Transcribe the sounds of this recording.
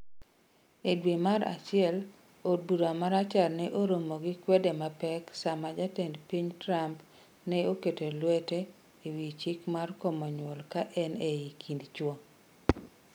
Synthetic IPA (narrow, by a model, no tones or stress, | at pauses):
edwemaɾa̰t͡ʃɪɛl | od̚buɾoamaɾat͡ʃalnɛʔoɾomoɡɪkwɛdemapɛksamad͡ʒatendpiɲtɾamp | nɛoketelwɛte | iwit͡ʃikmarkɔmɔɲwɔlkaʔɛneikʰindt͡ʃwɔ